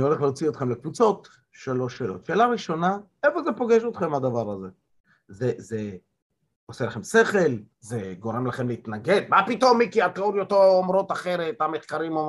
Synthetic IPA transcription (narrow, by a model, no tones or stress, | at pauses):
nio̞leχleot͡sio̞t̪χe̞mlekvut͡so̞t̪ | ʃelo̞ʃeːlo̰t̪ʃe̞ːlaʁiʃo̞na | efozepo̞ɡeʃot̪χe̞mhad̪avaʁaze | zeze | oselaχemseχel | zeɡo̞ʁemlaχe̞mleit̪naɡe̞d̪mapit̪o̞mːikiat̪oɾjot̪oːmɾo̞t̪aχe̞ʁet̪ameχkaʁimom